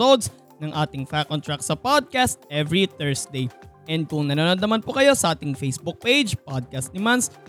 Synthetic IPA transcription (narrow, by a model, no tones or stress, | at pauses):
od̪s | nɐŋʔaːt̪ɪŋfakːont̪ɹak̚t̪sɐpad̪̚kast̪̚ʔɛvɹit̪ɛɹsd̪ejʔɛnd̪̚kʊŋnɐnaːɾɐnd̪ɐmanpʊkɐjo̞sɐʔaːt̪ɪŋfejsbʊk̚pejd͡ʒpad̪̚kɐst̪̚nɪmans